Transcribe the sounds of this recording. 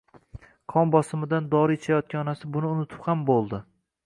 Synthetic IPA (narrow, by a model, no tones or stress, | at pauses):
qʰɒmbɒsɪmɪd̪and̪ɒɾɪɪt͡ʃʰajɒt̪̚kʲaɒnasɪbʊnɪʊnɪt̪ʰɪ̥phambolˠd̪ɪ